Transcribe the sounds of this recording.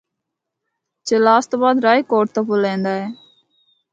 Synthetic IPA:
t͡ʃeːlaːst̪oːbaːd̪ɾaːiːkoːʈ̚t̪əːpolẽːnd̪aːɦeː

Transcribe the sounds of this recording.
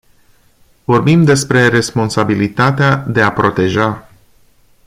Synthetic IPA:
vo̞rbimd̪e̞spɾe̞ɾe̞spo̞nsabilit̪at̪ead̪e̞apɾo̞t̪e̞ʒa

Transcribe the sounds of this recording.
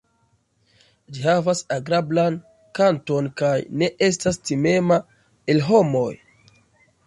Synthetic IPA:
d͡ʒiɦavasaɡɾablan | kanto̞nkajne̞ʔe̞s̬tastime̞ma | elɦo̞mo̞j

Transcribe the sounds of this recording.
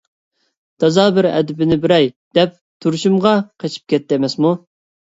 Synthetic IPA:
t̪ʰɑzɑbɪɾɛ̰d̪ɪbɪnɪbɪɾɛjd̪̥ɛp̚ | t̪ʰuɾʃumʁɑqʰet͡ʃʰi̥p̚kʲɛt̪ːɪːmɛsmu

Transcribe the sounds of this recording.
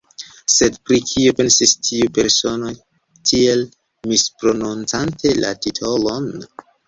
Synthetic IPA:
se̞dpɾikʰiope̞nsistʰiupe̞ɾso̞noj | tʰie̞l | mispɾo̞nunt͡santʰe̞lʔa̰titʰo̞lo̞n

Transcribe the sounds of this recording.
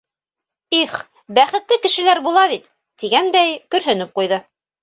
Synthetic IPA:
iχ | bæχɘ̆t̪lɘkɘ̆ʃɘ̆læɾbulˠɑβit̪ː | iɡænd̪æjkɵ̆ɾɦɵ̆nɘp̚qujðɤ

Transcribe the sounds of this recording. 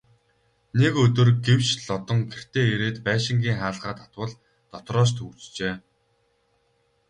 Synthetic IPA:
nekɵt̪ɵ̆rɡew̥t͡ɕɮɔt̪ɞ̆ŋɡer̥t̪eːeɾeːt̪pæːʃɪ̆ŋɡʲiːŋχaːɮʁaːt̪ʰḁt̪wə̆ɮ | t̪ɔt̪rɔːs̬t̪ʰut͡st͡ɕeː

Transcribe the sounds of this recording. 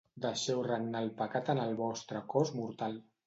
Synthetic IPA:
d̪əʃɛwrənnalˠpəkat̪ənəlˠβɔst̪ɾəkɔzmuɾt̪alˠ

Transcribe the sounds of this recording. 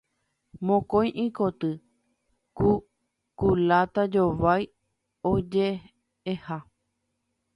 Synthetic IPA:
mõkõj̃ʔĩkot̪ɨ | ku | kulat̪ad͡ʒoʋaj | od͡ʒe | eha

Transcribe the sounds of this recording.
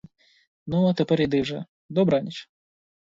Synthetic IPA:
nuat̪epɛɾid̪ɪwʐɛ̰ | d̪ɔbɾɑnʲit͡ʃ

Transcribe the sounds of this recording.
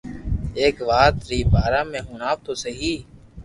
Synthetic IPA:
eːkʋaːt̪ɾiːbaːɾaːmẽːɦuːnaːbt̪oːsəɦiː

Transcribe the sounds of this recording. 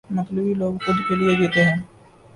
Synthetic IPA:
mət̪libiloːɡkʊd̪ʱkelijed͡ʒet̪eɦɛ̃ː

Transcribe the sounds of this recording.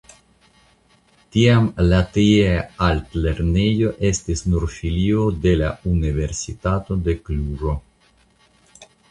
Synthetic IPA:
t̪iamlat̪ieaalt̪leɾnejo̞ʔe̞st̪isnuɾfiliod̪e̞launive̞ɾsit̪at̪od̪e̞kluɾo

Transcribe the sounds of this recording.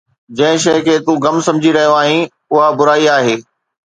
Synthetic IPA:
d͡ʑɐ̃ɦɪ̃ʃ̬ɐɪkʰeːt̪ũɣɐmsɐ̃md͡ʑʱiɾɐɦijoaːɦĩ | ʊɦabʊɾaːiaːɦeː

